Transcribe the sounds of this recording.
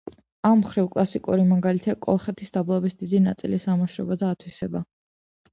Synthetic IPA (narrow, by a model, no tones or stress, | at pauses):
amːχɾivkʼlˠasikʼṵɾimaɡalit̪ʰakʼɔ̰lˠχɛt̪ʰisd̪ablˠabisd̪id̪inat̪sʼḭlisamɔʃɾɛ̰bad̪aːt̪ʰwisɛba